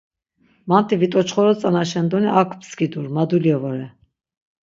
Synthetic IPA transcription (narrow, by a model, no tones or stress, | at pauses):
mant̪ʰʼivit̪ʼɔt͡ʃχɔɾɔt͡sʼanaʃɛnd̪ɔniʔakʰpskid̪uɾmad̪uljɛvɔɾɛ